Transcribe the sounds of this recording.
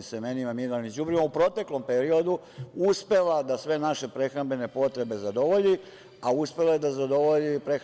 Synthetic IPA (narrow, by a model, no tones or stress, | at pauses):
semenimamiɾalnizubɾimaupɾo̞t̪e̞klo̞mpe̞ɾio̞d̪u | uspe̞lad̪asʋe̞naʃe̞pɾe̞xɾambe̞ne̞po̞t̪ɾe̞be̞zad̪o̞ʋo̞ʎi | auspe̞lajed̪azad̪o̞ʋoʎipɾex